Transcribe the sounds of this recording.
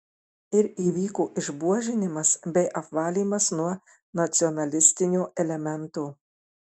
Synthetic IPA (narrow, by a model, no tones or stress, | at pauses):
ɪɾiːʋʲiːkuːʔɪʒbuɔʒʲɪnʲɪmɐsbʲɛɪʔɐpʋɑːlʲiːmɐsnuɔ | nɐt̪sʲɪɔnɐlʲɪsʲt̪ʲɪnʲuːʔɛlʲɛmʲɛnt̪uː